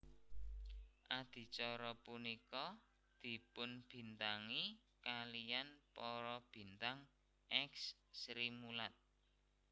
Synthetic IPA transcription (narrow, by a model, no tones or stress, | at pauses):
ʔad̪̥i̤t͡ʃɔɾɔpunikɔ | d̪̥i̤pʊnb̥i̤nt̪aŋi | kalijanpɔɾɔb̥i̤nt̪aŋ | ʔɛksːɾimulat̪̚